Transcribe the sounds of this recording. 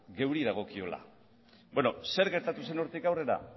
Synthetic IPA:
ɡe̞wɾiðaɣ̞okio̞la̰ | beno̞se̞ɾɣe̞ɾt̪at̪use̞no̞ɾt̪ikawre̞ɾa̰

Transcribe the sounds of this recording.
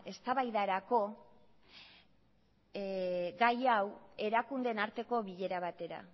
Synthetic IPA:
e̞st̪aβajðaɾako̞ | ɡajawe̞ɾakund̪e̞naɾt̪e̞ko̞βiʎe̞ɾaβat̪e̞ɾa̰

